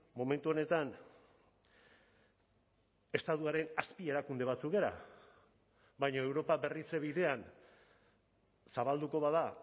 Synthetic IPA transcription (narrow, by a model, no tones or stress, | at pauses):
mo̞me̞nt̪uo̞ne̞t̪an | e̞st̪at̪uaɾe̞naspie̞ɾakund̪e̞β̞at͡sukɡe̞ɾa̰ | βajɲoe̞wɾo̞pabe̞rit͡se̞βiðe̞an | saβald̪uko̞βaða